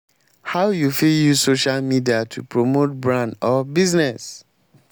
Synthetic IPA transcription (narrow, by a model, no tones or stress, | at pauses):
haʊjufiljuzsoʃalmidiatʰupʰɹomot̚bɹãndɔbiznɛs